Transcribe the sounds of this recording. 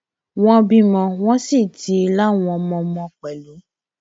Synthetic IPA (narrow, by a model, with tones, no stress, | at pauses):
w̃ɔ̃˧bĩ˧mɔ̃˨w̃ɔ̃˨˦si˦˨ti˨˧˦la˦w̃ɔ̃˧mɔ̃˧mɔ̃˧k͡pɛ˨lu˨˦